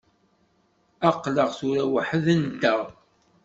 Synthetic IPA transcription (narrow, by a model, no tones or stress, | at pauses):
æqːləʁθʊɾæwəħəðənt̪ːæʁ